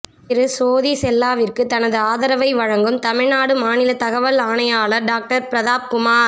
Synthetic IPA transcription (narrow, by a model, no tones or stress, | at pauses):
ɪɾɯsoːðisɛlːaːʋɪrkɯt̪ɐnɐðɯaːðɐɾɐʋɐɪʋɐɻɐŋɡɯmt̪ɐmɪɻnaːɽɯmaːnɪlɐt̪ɐɣɐʋɐlaːɳɐjaːlɐɾɖaːk̚ʈɐɾpɾɐðaːp̚kʊmaː